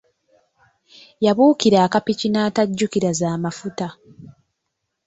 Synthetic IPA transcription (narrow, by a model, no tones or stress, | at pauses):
jaβuːkiɾaːkapicinaːtaɟːukiɾazaːmafuta